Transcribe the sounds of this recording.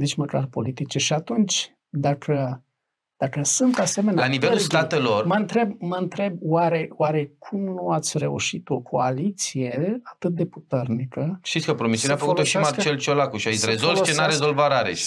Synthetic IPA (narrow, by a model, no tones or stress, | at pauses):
d̪it͡ʃməka̰rpo̞lit̪it͡ʃeʃiat̪unt͡ʃʲ | d̪akʰə | d̪̥akəsunt̪ase̞me̞nealanivelulsɡ̪at̪elo̞rməɨnt̪ɾe̞b̚məɨnt̪ɾe̞b̚waɾe̞waɾe̞kʰumnuat̪sʲre̞ṵʃit̪o̞kʰo̞alit̪sije̞at̪ɨt̪̚d̪e̞put̪e̞rnikəʃt̪it̪sʲkəpɾomisjuneafəkolt̪oʃimart͡ʃelt͡ʃolakuʃiaiɾezolt͡ʃenaɾezolvaɾaɾḛʃ